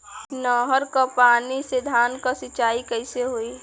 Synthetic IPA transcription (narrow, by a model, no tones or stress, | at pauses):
nɔːɦəɾkapaːnised̪ʱaːnkasɪt͡ʃaːikəɪseɦoi